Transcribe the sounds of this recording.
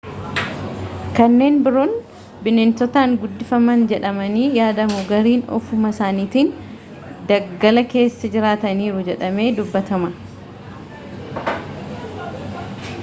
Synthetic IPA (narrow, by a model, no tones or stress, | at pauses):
kɐnːe̞ːnbɪɾoːn | bɪneːnt̪ɔt̪aːŋɡʊd̪ːɪfɐmɐnd͡ʒɛᶑɐmɐniːjaːd̪ɐmʊɡɐɾiːnɔ̰fʊmɐsaːniːt̪in | d̪ɐɡːɐlɐke̞ːsːɐd͡ʒɪɾaːt̪ɐniːɾʊd͡ʒɛᶑɐme̞ːd̪ʊbːɐt̪ɐmɐ